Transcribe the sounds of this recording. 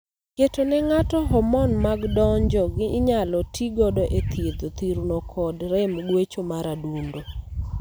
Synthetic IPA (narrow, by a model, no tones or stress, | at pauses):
ketonɛŋatɔɦɔmɔnmaɡdɔɲd͡ʒɔɡɪːɲalɔtʰiɡɔdɔʔet̪ʰjed̪ot̪iɾnokʰɔdɾɛmɡwet͡ʃomaɾadundo